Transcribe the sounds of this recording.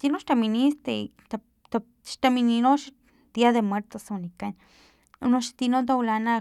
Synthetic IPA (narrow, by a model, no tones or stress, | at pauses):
t̪inoʃt̪aminist̪et̪a | t̪a | ʃt̪amininoʃ | d̪̥iaðemweɾt̪osnikan | unoʃt̪inod̪̬awlana